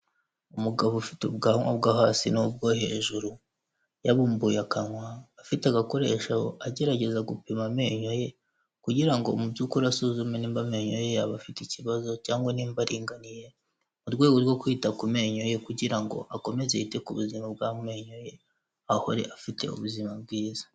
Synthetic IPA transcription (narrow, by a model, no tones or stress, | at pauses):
umuɡaβofiteub̚ɡaːnwa̰bɡahaːsinub̚ɡo̞he̞ːʒuɾu | jaβuːmbuːjakanŋwaːfitaɡako̞ɾe̞ːʃaho̰ʔaɟe̞ɾaɟe̞zaɡupimame̞ɲo̞je̞ | kuɟiɾaŋɡo̞̰mubjukuɾasuzumeniːmbame̞ɲojeaβafiticiβazo̞caːŋɡwaniːmbaɾiːŋɡanije̞ | muɾɡwe̞ːɡo̞ɾɡwo̞kwiːtakume̞ɲo̞je̞kuɟiɾaŋɡo̞̰ʔako̞me̞zeitekuβuzimab̚ɡame̞ɲo̞je̞ | aho̞̰ɾe̞̰ʔafite̞̰ṵβuzimab̚ɡiːzḁ